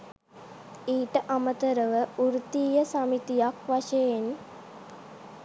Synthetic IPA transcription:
iːʈəʔamət̪əɾəʋəuɾut̪iːjəsamit̪ijakʋaʃejen

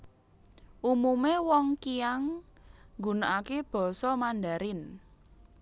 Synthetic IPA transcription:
ʔumumewɔŋkiaŋ | ɡṳnaʔakeb̥ɔ̤sɔmandaɾɪn

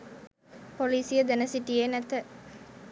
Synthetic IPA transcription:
poliːsijəd̪ænəsiʈijenæt̪ə

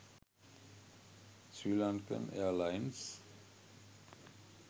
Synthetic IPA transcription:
t͡sylankə̰nʔɛ̰ɐlaɪns

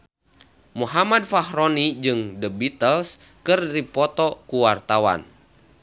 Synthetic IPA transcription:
muɦamad̚fahɾɔnid͡ʒɨŋdəbit̪əls | kɨrdipɔt̪ɔkuwart̪awa̰n

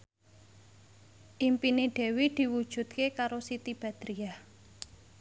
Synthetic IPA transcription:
ʔimpineɖ̪̥e̤wid̪̥i̤wud̥ʒ̥ṳt̪̚kekaɾosit̪ib̥ä̤d̪̥ɾia

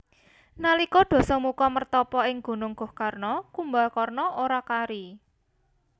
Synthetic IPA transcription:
nalikɔɖ̪̥ɔ̤sɔmukɔmərt̪ɔpɔɪŋɡ̥ṳnʊŋɡ̥ɔ̤hkarnɔkumbalkɔrnɔoɾakaɾi

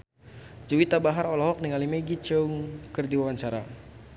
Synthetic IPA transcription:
d͡ʒuwit̪abaɦaɾɔlɔɦɔk̚niŋalimeɡit͡ʃəuŋkərdiwawaɲt͡ʃaɾa

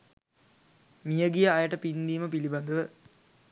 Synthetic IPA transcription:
mijəɡijəːjəʈəpind̪iːməpiliband̪əʋə

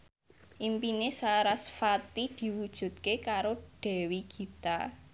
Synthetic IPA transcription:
ʔimpinesaɾasfat̪id̪̥i̤wud̥ʒ̥ṳd̪̚kekaɾoɖ̥ɛ̤wiɡ̥i̤t̪a

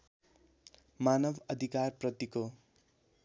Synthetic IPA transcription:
manʌbʌd̪ʱikarprʌt̪iko

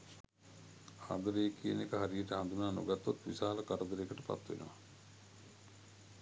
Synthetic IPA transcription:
a̰ːd̪əɾeːkʰienekəɦaɾijəʈəɦand̪unaːno̰ɡat̪ːot̪ʋisaːləkaɾəd̪əɾekəʈəpa̰t̪ːʋḛnə̰ʋa

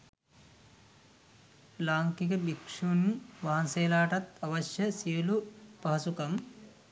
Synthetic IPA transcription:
laːŋkikəbikʂunʋaɦansejlaːʈat̪aʋɐʃjəsijəlupaɦasukam

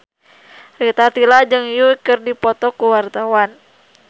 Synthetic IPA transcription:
rit̪at̪ilad͡ʒɨŋjukɨrdipɔt̪ɔkuwart̪awan

